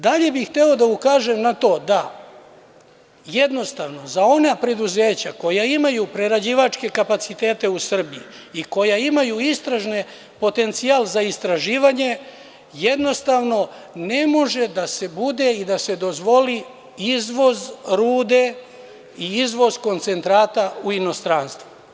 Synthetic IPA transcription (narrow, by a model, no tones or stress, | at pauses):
d̪aʎe̞bixt̪e̞o̞d̪aukaːʒe̞mnat̪o̞ːd̪a | jed̪no̞st̪aʋno̞zao̞napɾe̞d̪uzeːt͡ɕako̞jaimajupɾe̞ɾad͡ʑiʋat͡ʃke̞kapat̪sit̪e̞ːt̪e̞usr̩bii | iko̞jaimajuist̪ɾaʒne | po̞t̪e̞nt̪siaːlzaist̪ɾaʒiːʋaɲe̞ | je̞d̪no̞st̪aːʋno̞ne̞mo̞ʒe̞d̪ase̞bud̪e̞id̪ase̞d̪o̞zʋo̞li | izʋo̞zɾuːd̪e̞ | iizʋo̞zko̞nt̪se̞nt̪ɾaːt̪auino̞st̪ɾaːnst̪ʋu